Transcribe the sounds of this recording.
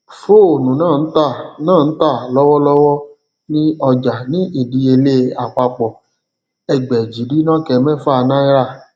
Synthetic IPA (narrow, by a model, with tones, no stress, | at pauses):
fo˦˨o˨nũ˨nãː˦˨n̩˦ta˦˨nãː˦˨n̩˦ta˦˨lɔ˦wɔ˦lɔ˦wɔ˦ | nĩ˦ɔ˧d͡ʒa˨nĩ˨˦ʔi˦˨di˧˦e˧le˦a˨k͡pa˧k͡pɔ˨ | ɛ˨ɡ͡bɛ˨d͡ʒi˨˦di˨˦nã˦˨kɛ˧˨˧mɛ̃˦˨fa˦˧nã˦i˦ɾa˦˨